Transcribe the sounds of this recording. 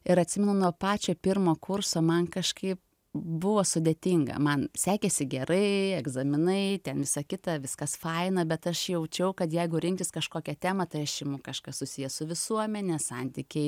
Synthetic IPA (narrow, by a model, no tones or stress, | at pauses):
ɪɾɐt̪ʲsʲɪmʲɛnʊnuɔpɑːt͡ʃʲoːpʲɪrmoːkʊɾsoːmɐnkɐʃkɐɪp̚ | bʊʋoːsʊd̪ʲeːt̪ʲɪŋɡɐ̰mɐnsʲæːkʲesʲɪɡʲɛɾɐɪɛɡzɐmʲɪnɐɪt̪ʲɛnʋʲɪsɐkʲɪt̪ɐʋʲɪskɐsfɐɪnɐbʲɛt̪ɐʃjɛʊt͡ʃʲɛʊkɐt̪jɛɪɡʊɾʲɪŋʲktʲɪskɐʃkoːkʲɛt̪ʲæːmɐt̪ɐɪɐʃt͡ʃʲɪmʊkɐʃkɐssʊsʲijɛsʊʋʲɪsuɔmʲɛnʲɛsɐnʲt̪ʲiːkʲɛɪ